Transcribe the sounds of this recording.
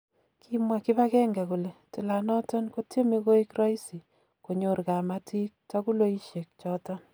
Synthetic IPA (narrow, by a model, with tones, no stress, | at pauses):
kʰi˦mwa˨kɪ˦βa˦kɛ˦ŋɡa˨ku˨le˨tu˨la˨nɔ˦tɔ˦nko˦tje˦mi˦ko˦i˦kɾa˦i˦si˨ | ko˨ɲo˨˦ɾka˨ma˦ti˦k̚tɔ˦ku˦lo˦i˦ʃje˨k̚t͡ʃɔ˦tɔ˦n